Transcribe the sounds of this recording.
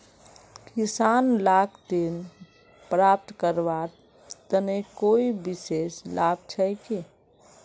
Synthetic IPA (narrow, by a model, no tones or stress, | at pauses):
kisanlakʰt̪en | pɾap̚t̪kəɾbaɾ | t̪ənekoibiseslab̚t͡ʃʰəjke